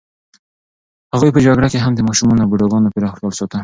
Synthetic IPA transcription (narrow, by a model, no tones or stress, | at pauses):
haɣujpəd͡ʒaɡɽakeɦamd̪əmɑʃumɑnoawbuɖoɡɑnopiɾɑxt̪əlsot̪a